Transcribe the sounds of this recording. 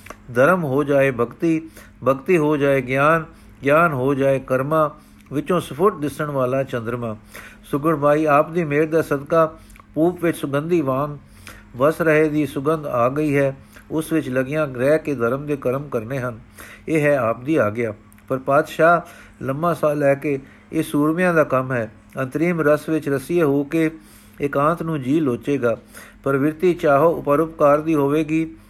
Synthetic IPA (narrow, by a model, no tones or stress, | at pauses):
d̪ʱəɾəmɦoːd͡ʒaːeːbʱəkt̪iː | bʱəkt̪iːɦoːd͡ʒaːeːɡjaːn | ɡjaːnɦoːd͡ʒaːeːkəɾmãː | ʋɪt͡ʃõːsəpʰʊʈ̚d̪ɪsəɳʋaːlaːt͡ʃə̃nd̪ɾmãːsʊɡəɳbaːiːaːp̚d̪iːmeːɾd̪aːsəd̪kaː | puːpʋɪt͡ʃsʊɡənd̪iːʋãːŋɡ | ʋəsɾəɦeːd̪iːsʊɡənd̪aːɡəiːɦɛː | ʊsʋɪt͡ʃləɡɪjãːɡɾɛːkeːd̪əɾəmd̪eːkəɾəmkəɾneːɦən | eːɦɛːaːp̚d̪iːaːɡɪjaː | pəɾpaːd̪ʃaː | ləmbãːsaːlɛːkeː | eːsuːɾʋɪjãːd̪aːkəmɦɛː | ənt̪əɾiːmɾəsʋɪt͡ʃɾəsieːɦoːkeː | ɪkãːnt̪ʰnũːd͡ʒiːloːt͡ʃeːɡaːpəɾʋɪɾt̪iːt͡ʃaːɦoːʊpəɾʊpkaːɾd̪iːɦoːʋeːɡiː